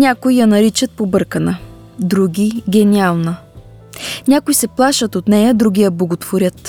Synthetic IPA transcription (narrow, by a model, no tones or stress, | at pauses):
nʲakojjɐnɐɾit͡ʃət̪̚pobɤɾkənə | d̪ɾuɡʲiɡʲɛnʲialˠnə | nʲakojsɛplˠaʃət̪ot̪nɛjəd̪ɾuɡʲijəblˠoɡot̪voɾʲət̪